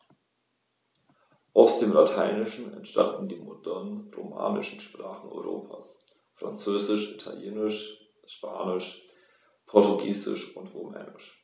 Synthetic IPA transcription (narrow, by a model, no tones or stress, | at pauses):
ʔaʊsd̥eːmlatʰaɪnɪʃn̩ɛ̰ntʃta̰ndn̩diːmodɛnʁoma̰ːnɪʃn̩ʃpʁ̥aːχn̩ɔ̰ʏʁo̰ːpʰaːs | fʁ̥a̰nt͡søːzɪʃitʰaljeːnɪʃ | ʃpʰaːnɪʃ | pʰɔɐtuɡiːzɪ̰ʃʊntʁomɛ̰ːnɪʃ